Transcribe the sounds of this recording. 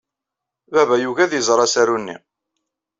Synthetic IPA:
bævæjuʝæðjəzˤɾˤɑsæɾunːḭ

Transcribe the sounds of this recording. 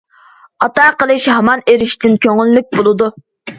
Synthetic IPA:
ɑt̪ɑːqəlˠɨʃɦɑmɑneɾɪʃt̪ɪnkʲʰøŋɪlːɪk̚ʲbolˠɨd̪u

